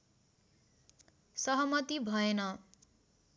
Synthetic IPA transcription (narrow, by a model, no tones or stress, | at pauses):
sʌɦʌmʌt̪ibʱʌenʌ